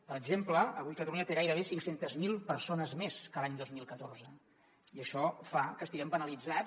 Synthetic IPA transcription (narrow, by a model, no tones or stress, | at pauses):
pəɾəɡzempləəβujkət̪əluɲət̪eɣajɾəβ̞esiŋksent̪əzmilˠpəɾsonəzmeskəlaɲd̪ozmilˠkət̪orzə | iəʃɔfakəst̪iɣɛmbənəlid͡za